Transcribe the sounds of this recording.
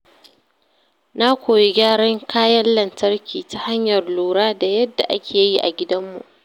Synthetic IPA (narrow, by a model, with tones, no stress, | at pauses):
na˦kʷoː˨je˦ɡʲaː˦ɽɐ˦ŋkʰaː˦jɐ˦nlɐ˨ntɐ˦rkʲʰiː˨ta˦ha˦ɲjɐ˨rluː˨ɽaː˦da˨jɐ˦dːa˨ʔa˦kʲʰeː˨˦ji˦ʔa̰˨ɡʲɪ˦dɐ˦mːṵ˨ʔ